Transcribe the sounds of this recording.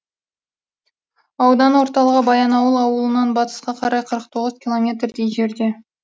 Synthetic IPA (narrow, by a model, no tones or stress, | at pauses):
ɑwd̪ɑnwo̞ɾt̪ɑlˠəʁəbɑjɑnɑwəlˠɑwəlˠənɑnbɑt̪ə̥sqɑqʰɑɾɑjqʰəɾəq̚t̪ʰo̞ʁəzkʲʰilˠo̞mʲe̞t̪rd̪ejʒe̞ɾd̪e̞